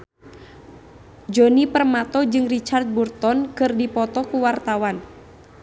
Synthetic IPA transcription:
d͡ʒɔnipərmat̪ɔd͡ʒɨŋrit͡ʃart̪̚burt̪ɔnkɨrdipɔt̪ɔkuwart̪awan

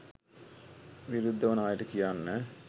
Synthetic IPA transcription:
ʋiɾud̪ʱːɐʋɐnaːjiɾɐkːijaːnnɨ

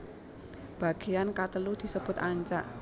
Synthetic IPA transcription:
b̥a̤ɡ̥ejankat̪əlud̪̥i̤səb̥ʊt̪aɲt͡ʃa̰ʔ

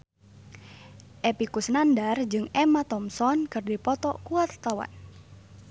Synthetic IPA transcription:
ʔepikusnandard͡ʒɨŋɛmat̪ɔmsɔnkɨrdipɔt̪ɔkuat̪̚t̪awa̰n

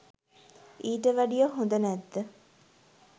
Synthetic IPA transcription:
iːʈəʋæɖijəɦũnd̪ənæd̪ːə

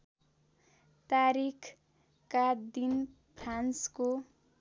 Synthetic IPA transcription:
t̪aɾikʰ | kad̪in | pʰransko

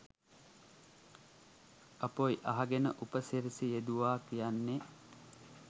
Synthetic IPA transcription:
ɐpojʔɐɦaɡenə̰ʔupəsiɾisijed̪uʋaːkijanːe

